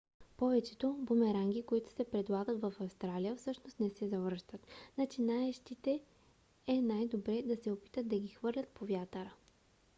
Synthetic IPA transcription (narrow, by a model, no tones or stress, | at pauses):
pɔvɛt͡ʃɛt̪obomɛɾaŋɡʲikoit̪ʊ̥sɛpɾɛd̪lˠaɡət̪vɐfɐfst̪ɾalijəfsɤʃnost̪nɛsɛzɐvəɾʃt̪ət̪nɐt͡ʃinaɛʃt̪it̪ɛ | ɛnajd̪obɾɛd̪ɐsɛopi̥t̪ət̪̚d̪ɐɡʲixvɤɾlʲɐt̪̚povjat̪əɾə